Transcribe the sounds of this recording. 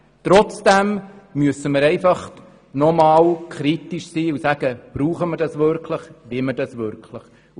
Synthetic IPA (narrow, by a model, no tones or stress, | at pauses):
t̪ɾɔt͡sd̥ɛmmyəsəməɾɛɪfɑχ | nɔmɑːwkʰɾit̪iʃsiːusæɡ̥əb̥ɾuːχəməɾdɑsʋʏɾkʰləχʋimədɑsʋʏɾkʰləχ